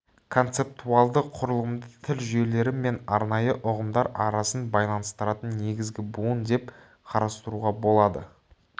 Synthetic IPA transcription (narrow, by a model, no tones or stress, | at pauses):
kʰo̞nt̪se̞p̚t̪uɑlˠd̪əqʰːʊɾəlˠəmd̪ət̪ʰɪlʒʏje̞le̞ɾɪme̞nɑɾnɑjəʔʊʁəmd̪ɑɾɑɾɑsənbɑjlˠɑnəst̪əɾɑt̪ənne̞ɡʲɪzɡʲɪbuənd̪e̞p | qʰɑɾɑst̪əɾuʁɑbo̞lˠɑd̪ə̰